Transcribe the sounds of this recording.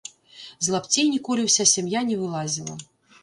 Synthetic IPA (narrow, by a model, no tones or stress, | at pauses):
zlˠapt͡sʲejnʲikɔlʲiwsʲasʲamjanʲɛvɨlˠazʲilˠɐ̰